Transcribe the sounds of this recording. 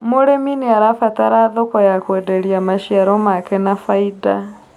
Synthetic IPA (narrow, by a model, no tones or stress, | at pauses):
moɾeminiaɾafataɾaðokajakwedeɾiamaʃiaɾomakɛnafaida